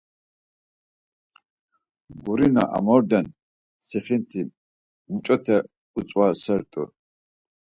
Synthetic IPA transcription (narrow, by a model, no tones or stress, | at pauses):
ɡuɾina̰ʔa̰mɔɾd̪ɛn | sʰiχint̪ʰi | mut͡ʃʼɔt̪ʰɛ | ut͡sʼwasɛɾt̪ʼṵ